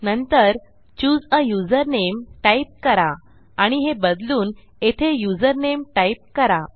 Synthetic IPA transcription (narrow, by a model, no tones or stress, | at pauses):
nənt̪əɾ | t͡ɕuːd͡zəjud͡zəɾnemʈaip̚kəɾa | aɽ̃iɦebəd̪luːn | et̪ʰejud͡zəɾnemʈaip̚kəɾa